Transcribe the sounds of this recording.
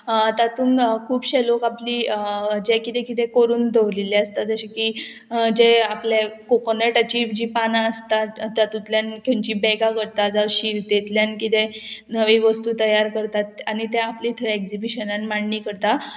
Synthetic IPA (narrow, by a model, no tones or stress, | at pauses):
t̪at̪uːnkʰuːpɕelokaplid͡ʑẽkit̪ɛ̃kit̪ɛ̃koɾuːnd̪ʱeʋlilɛəst̪ad͡zəɕiki | d͡ʑeaplekokoneʈət͡ɕiʋd͡ʑiːpanaəst̪at̪jat̪ut̪ljankoɲt͡ɕibɛɡakəɾt̪ad͡zaɕiɾt̪et̪ljankit̪ɛnəʋiʋəst̪uːt̪əjaɾkəɾt̪at̪añit̪ɛ̃aplit̪ʰəekd͡zibiɕənanmaɳɳiːkəɾt̪a